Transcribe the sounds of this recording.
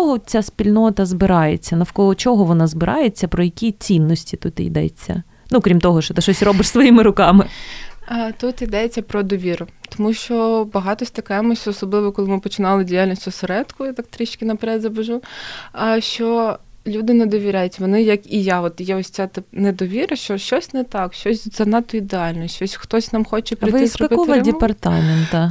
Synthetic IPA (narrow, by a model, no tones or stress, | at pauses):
ɔɦɔt͡sʲaspʲilʲnɔt̪ɐzbɪɾɑjet͡sʲːɐnɐwkɔɔt͡ʃɔɦɔʋɔnɑzbɪɾʔɑjet͡sʲːɐpɾɔjɐkʲit͡sʲinːɔsʲtʲit̪ut̪ḭd̪ɛ̰t͡sʲːɐ̰ | nukɾʲimt̪ɔɦɔʃɔt̪ɪʃɔsʲɾɔbɪʂsʋɔjimɪɾʊkɑmɪ | t̪ut̪id̪ɛt͡sʲːɐpɾɔd̪ɔʋʲiɾʊt̪ɔmuʃt͡ʃɔbɐɦɑt̪ɔsʲt̪ɐkɛmʊʃʲɔsɔblˠɪʋɔkɔlˠɪmɪpɔt͡ʃɪnɑlˠɪdʲijalʲnʲisʲtʲʊsɐɾɛd̪kʊjat̪ɑk̚t̪ɾʲiʃkʲɪnɐpɛɾɛd̪ʲzɐbɐʒuɐʃt͡ʃɔlʲud̪ɪned̪ɔʋʲiɾʲajʊtʲʋɔnɪjɐkijaɔt̪jɛɔsʲt͡sʲat̪ɪpnɛd̪ɔʋʲiɾɐʃt͡ʃɔʃt͡ʃɔsʲnɛt̪ɑkʃt͡ʃɔsʲzɐnɑt̪ːɔid̪eɑlʲnɔt͡ʃɔsʲxt̪ɔsʲnɑmxɔt͡ʃɛpɾɪɪzɾɔɐbɪɔɐdʲɪpɐrt̪ɑment̪ɐ